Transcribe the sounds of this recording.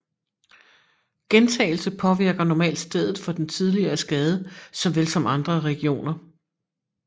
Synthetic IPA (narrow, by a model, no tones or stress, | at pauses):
ɡ̥ent͡sʰɛ̰ːɪl̩səpʰɒ̽ʋiɐɡ̥ɐnɒmɛ̰ːld̥sd̥eð̞ˠð̩ˠfɒ̽d̥ent͡sʰiðˠliɐːsɡ̥ɛːð̞ˠəsɒ̽mʋelsɒ̽mɑ̈nd̥ʁɐʁɛɡ̥io̝̰ːnɐ